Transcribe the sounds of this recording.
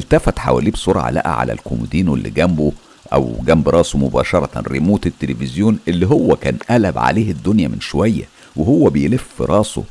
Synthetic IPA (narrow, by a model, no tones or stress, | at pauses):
elt̪æfæt̪ħa̰wæ̰ːliːbsˤoɾʕa̰læ̰ʔæ̰ʕa̰læ̰lkomud̪iːnwelːḭɡæmbo | ʔæ̰wɡæmbɾˤɑːsomʊbɑ̰ːʃɑɾˤɑt̪ɾemuːt̪et̪ːelefɪzjoːnʔelːiɦowːækæːnʔælæbʕa̰leːhed̪ːonjæmɪnʃowæjːæ̰ | wehowːæbejelefːɾˤʔɑːso̰